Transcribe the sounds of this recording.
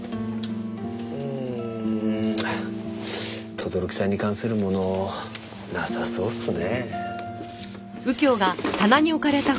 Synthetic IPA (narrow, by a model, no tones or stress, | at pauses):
ɯ | t̪ʰo̞d̪o̞ɾo̞kʲi̥saɲ̟ikãɰ̃sɨɾɯ̟mo̞no̞ | nasaso̞ːsɨne | ɯ̟kʲo̞ːɡat̪anaɲ̟io̞kaɾe̞t̪a